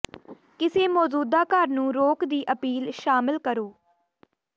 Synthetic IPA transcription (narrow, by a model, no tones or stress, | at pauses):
kɪseːmɔːd͡ʒuːd̪aːkəɾnũːɾoːkd̪iːʔəpiːlʃaːmɪlkəɾoː